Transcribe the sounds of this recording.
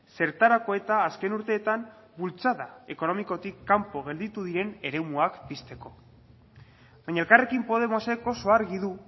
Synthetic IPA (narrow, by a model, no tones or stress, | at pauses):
se̞ɾt̪aɾako̞e̞t̪aːske̞nuɾt̪e̞ːt̪am | bult͡saðae̞ko̞no̞miko̞t̪ikːampo̞ɣ̞e̞ld̪it̪uðiɾe̞ne̞ɾe̞muakpist̪e̞ko̞ | βajɲaelkare̞kimpo̞ðe̞mose̞ko̞so̞aɾɣiðu